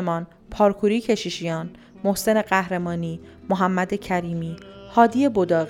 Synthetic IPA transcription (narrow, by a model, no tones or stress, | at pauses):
mɒːn | pʰɒːɾkʰuːɾiːcʰe̞ʃiːʃijɒːn | mo̞hse̞ne̞ɢæhɾe̞mɒːniːmoɦæmːæd̪e̞cʰæɾiːmiːhɒːd̪ije̞bod̪ɒːɣ